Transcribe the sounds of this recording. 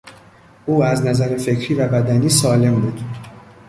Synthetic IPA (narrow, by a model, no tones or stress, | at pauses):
ʔuːæznæzæɾe̞fe̞cʰɾiːvæbæd̪æniːsɒːle̞mbuːd̪̥